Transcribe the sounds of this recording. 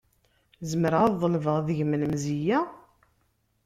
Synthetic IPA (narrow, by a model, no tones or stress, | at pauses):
zəmɾəʁaðˤəlvəʁðəʝmələmzijæ